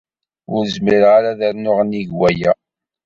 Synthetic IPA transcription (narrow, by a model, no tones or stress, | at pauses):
ʊɾəzmiɾʁaɾaðəɾnʊʁniʝwæjæ